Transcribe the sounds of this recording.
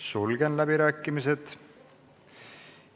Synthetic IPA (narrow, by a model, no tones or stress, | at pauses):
sulɡ̥enlæbiɾæːkːˑimiset̪